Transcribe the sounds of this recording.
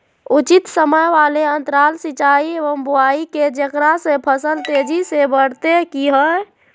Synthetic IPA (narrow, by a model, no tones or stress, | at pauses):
ut͡ʃit̪səməjʋaleənt̪ɾalsit͡ʃaieʋəmbuaiked͡ʒəkɾasẽpʰəsəlt̪ed͡ʒisebəɽ̤t̪ekiɦə